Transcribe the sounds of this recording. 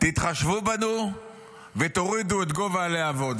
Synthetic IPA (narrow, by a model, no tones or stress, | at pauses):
t̪it̪χaʃvubanu | vet̪o̞ʁid̪uet̪ɡo̞valeavo̞d